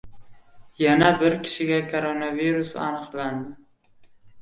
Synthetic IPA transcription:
janabɪɾkʲʰɪ̥ʃɪɡʲakʰoɾonaviɾʊsa̰nɨqland̪ɪ

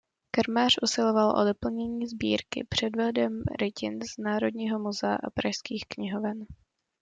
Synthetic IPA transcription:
kaɾmaːrʔusɪlovalʔo̰do̞pl̩ɲɛɲiːzbḭːɾkɪ̰pr̝̥ɛdvɛdɛmɾɪcɪ̰nz̥naːɾo̞dɲiːɦo̞muzɛa̰ʔa̰pɾaʃskiːxkɲɪɦovɛn

